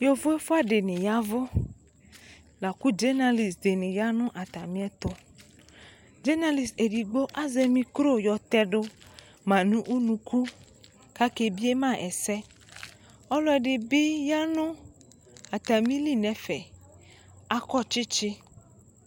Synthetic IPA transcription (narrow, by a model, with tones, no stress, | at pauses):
jo˦fʊ˦e˦fʊ˦a˦de˨nɪ̃˨ja˦vʊ˦ | la˨ku˦d͡ʒe˦na˧li˨sde˨nɪ̃˨ja˦nʊ̃˦ʔa˨t̪a˨mĩ˦ɛ˦t̪ʊ˦ | d͡ʒe˦na˦li˨se˨di˨ɡ͡bo˦ʔa˦ze˧mĩ˧kɾo˦˨jɔ˧t̪ɛ˦ɖʊ˦ | mã˨nũ˦ʔu˦nũ˧ku˦ | ka˦ke˧bi˦e˦mã˦˨ʔɛ˨sɛ˦ | ɔ˦lɔ˦ɛ˨dɪ˨bɪ˦ja˦nʊ̃˦ | a˨t̪a˨mĩ˦li˦˨nɛ˨fɛ˨ | a˦kɔ˦˨t͡ʃɪ˦t͡ʃɪ˦